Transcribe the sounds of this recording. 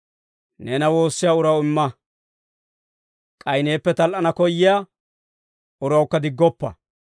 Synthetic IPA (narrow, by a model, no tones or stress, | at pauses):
ne̞ːnɐwo̞ːsːɪjaːʊɾɐwɪmːɐ | kʼɐjne̞ːpːɛt̪ɐlʔɐnɐkɔjːɪja | ʊɾɐwkːɐd̪ɪɡːɔpːɐ̰